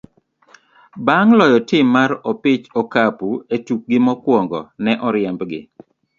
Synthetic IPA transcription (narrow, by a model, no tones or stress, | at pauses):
baŋlɔjɔtɪmːaɾɔpɪt͡ʃɔkapuetuk̚ɡɪmɔkwɔŋɡɔ̰nɛʔɔɾjɛmbɡɪ̰